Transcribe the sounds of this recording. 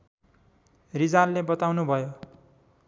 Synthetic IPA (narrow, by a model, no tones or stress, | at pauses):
rid͡zarlebʌt̪awnubʱʌjo